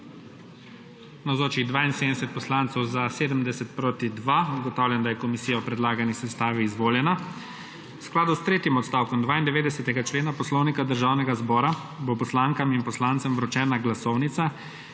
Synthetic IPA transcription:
nawzoːt͡ʃiɣd̪ʋaːinsed̪d̪ɛsɛt̪̚pɔslaːnt̪sɔwzaseːd̪əmd̪ɛsɛt̪̚pɾoːt̪id̪ʋauɡɔt̪aːwlʲjɛnd̪ajɛkɔmisijaɔpɾɛd̪laːɡanisɛst̪aːʋiːzʋoːljɛna | wsklaːd̪ust̪ɾeːt̪imɔt̪st̪aːwkɔmd̪ʋaːind̪ɛʋeːd̪ɛsɛt̪ɛɡat͡ʃleːnapɔslɔwnikad̪əɾʒaːwnɛɡazbɔːɾa | bopɔslaːŋkaminpɔslant̪sɛmʋɾɔt͡ʃɛːnaɡlasɔwnit̪sa

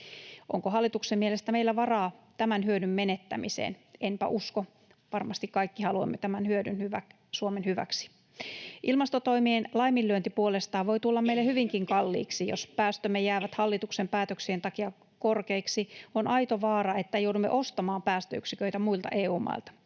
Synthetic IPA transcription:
ʔo̰ŋkoɦɑlːit̪uksemmielest̪æmeilːæʋɑrɑːt̪æmænhyødymːenet̪ːæ̰mḭsḛːnʔempæ̰ʔusko | ʋɑrmɑst̪ikkɑikːihɑluo̰mːet̪æmænhyødynhyʋæk | suomenhyʋæ̰ksi̥ | ʔilmɑst̪ot̪o̞imienlɑimilːyønt̪ipuolest̪ɑːʋʋo̞it̪ulːɑmːeilːehyʋiŋkiŋkɑlːḭːksijo̰spæːst̪ømːejæːʋæt̪hɑlːit̪uksempæːt̪øksient̪ɑkiɑ | korkeiksionɑjt̪oʋɑːɾɑet̪ːæjoudumːeʔost̪ɑmɑːmpæːst̪ø̰y̰ksikøit̪æmuilt̪ɑ̰ʔeːuːmɑ̰ilt̪ɑ̥

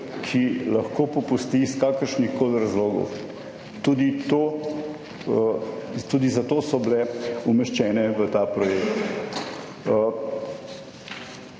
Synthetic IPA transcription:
kʰilɐxkoːpɔpust̪iːskaːkəɾʃnixkoːlɾazloːɡɔ̰w | t̪uːd̪it̪oː | t̪ud̪izat̪oːsɔblɛumɛʃt͡ʃɛːnɛʋət̪aːpɾɔjekt̪

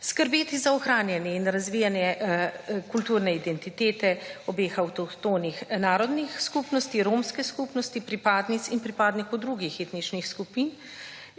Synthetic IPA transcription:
skəɾbeːt̪izaɔxɾaːnjɛnjɛinɾazʋiːjanjɛ | kult̪uːɾnɛid̪ɛnt̪it̪eːt̪ɛɔbeːxawt̪ɔt̪oːnixnaːɾɔd̪nixskupnɔst̪iɾoːmskɛskuːpnɔst̪ipɾipaːd̪nit̪sinpɾipaːd̪nikɔwd̪ɾuɡixeːt̪nit͡ʃnixskupiːn

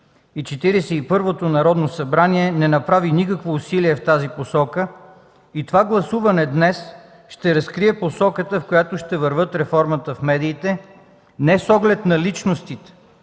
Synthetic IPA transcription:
it͡ʃɛt̪iɾɛsɛipɤɾvot̪onɐɾɔd̪nosɐbɾaniɛnɛnɐpɾavinikəkvousiliɛft̪aziposɔkə | it̪ovaɡlˠɐsuvɐnɛd̪nɛs | ʃt̪ɛɾɐskɾiɛposɔkət̪əfkojat̪oʃt̪ɛvɐɾvɤt̪ɾɛfɔɾmət̪əfmɛd̪iːt̪ɛ | nɛsɔɡlɛt̪nɐlit͡ʃnost̪it̪ɛ̥

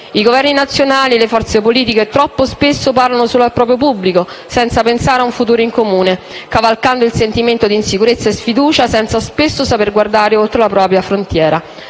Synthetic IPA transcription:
iɡovɛrninat̪sjonaːlilefɔrt̪sepoliːt̪iket̪ɾɔpːospesːoparlanosulapːɾɔːp̬ɾjopubːliko | sɛnt̪sapensaːɾeauɱfut̪uːɾoiŋkomuːne | kavalkand̪oilsent̪iment̪od̪iːnsikuɾet̪sːaesfid̪uːt͡ʃasɛnt̪saspesːosaperɡward̪aːɾeolt̪ɾolapɾɔːpɾjafɾont̪jɛːɾa

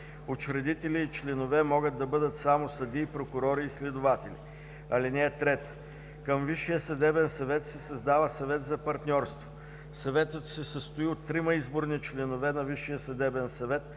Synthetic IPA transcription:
ot͡ʃɾɛd̪it̪ɛliːt͡ʃlɛnovɛmɔɡəd̪ːɐbɤd̪ət̪samosɐd̪iːpɾokʊɾɔɾiːslɛd̪ʊvat̪ɛlḭ | ɐlinɛːt̪ɾɛt̪ə̥ | kəmviʃijəsɐd̪ɛbɛnsɐvɛt̪sɛsɐzd̪avəsɐvɛt̪zɐpɐɾt̪nʲɔɾst̪vo | sɐvɛt̪ət̪sɛsəst̪oiot̪ːɾimɐizboɾnit͡ʃlɛnovɛnɐviʃijəsɐd̪ɛbɛnsɐvɛt̪

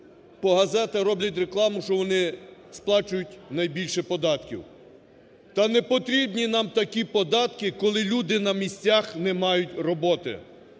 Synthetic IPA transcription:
pɔɦɐzɛt̪ɐɾɔblʲɐt̬ʲreklˠɑmʊʃt͡ʃɔʋɔnɪsplˠɑt͡ʃʊjʊtʲnɐjbʲilʲʃɛpɔd̪ɑt̪kʲḭw | t̪ɐnɛpɔt̪ɾʲibnʲinɑmt̪ɐkʲipɔd̪ɑt̪kɪkɔlˠɪlʲud̪ɪnɐmʲisʲt͡sʲaxnɛmɑjʊtʲrɔbɔt̪ɪ̰

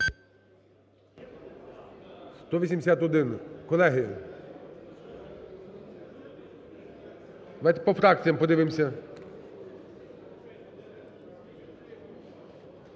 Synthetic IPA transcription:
st̪ɔʋʲisʲimd̪esʲat̪ɦɔd̪ɪnkɔlˠɛɦɪ | d̪ɐʋajt̪ɛ̥pɔfɾɑk̚t͡sʲijɐmpɔd̪ɪʋɪmsʲɐ

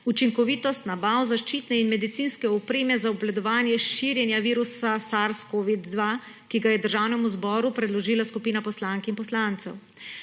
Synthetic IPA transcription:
ut͡ʃiŋkɔʋiːt̪ɔst̪nabawzaʃt͡ʃiːt̪nɛinmɛd̪it̪sinskɛɔpɾeːmɛzaɔblad̪ɔʋaːnjɛʃiːɾjɛnjaʋiːɾusasaɾskoːʋid̪ːʋa | kiɡajɛd̪əɾʒaːwnɛmuzbɔːɾupɾɛd̪lɔʒiːlaskupiːnapɔslaŋkinpɔslant̪sɛ̰w

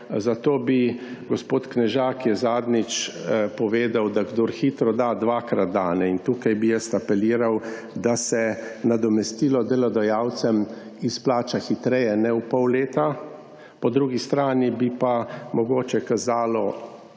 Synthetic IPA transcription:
zat̪oːbiɡɔspoːt̪knɛʒaːkjɛzaːd̪nit͡ʃpɔʋeːd̪awd̪aɡd̪oːɾxiːt̪ɾɔd̪ad̪ʋaːkɾad̪̚d̪aːnɛint̪uːkajbijɛst̪apɛliːɾaw | d̪asɛnad̪ɔmɛst̪iːlɔd̪ɛlɔd̪ɔjaːwt̪sɛm | isplaːt͡ʃaxit̪ɾɛjɛnɛupɔwleːt̪a | pɔd̪ɾuːɡist̪ɾaːnibipamɔɡoːt͡ʃɛkazaːlɔ

